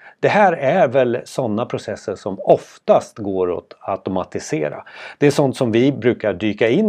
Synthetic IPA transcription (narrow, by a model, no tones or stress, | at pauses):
d̪̥ɛhæːɾæɾvɛlsɔnːapʰɾʊsɛsːəʂɔmɔft̪ast̪ɡoːɾɔ̰t̪at̪ʊmat̪ɪsḛːɾa̰d̪̥ɛæʂɔnt̪sɔmvɪbɾʉ̟ːkaɖyːkaɪnː